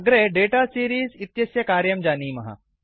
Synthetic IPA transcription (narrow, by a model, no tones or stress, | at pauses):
ɡɾeɖeʈasiɾiːzit̪jəsjəkaɾjəmd͡ʑaniːmɐɦa̰